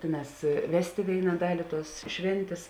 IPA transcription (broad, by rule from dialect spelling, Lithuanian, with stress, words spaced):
ˈtʲeːˌnɑːs ˈʋʲæːsʲtʲeː ˈʋʲeːɪnɐ ˈdɑːlʲɪ tuɔs ˈʃʲʋʲeːnʲtʲeːs